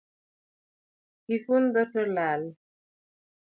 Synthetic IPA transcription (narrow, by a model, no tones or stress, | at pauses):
kifund̪ɔtɔɾlal